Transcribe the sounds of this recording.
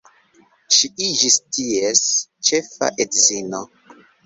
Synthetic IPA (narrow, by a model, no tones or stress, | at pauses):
ʃiʔid͡ʒistiest͡ʃefa̰ʔedzino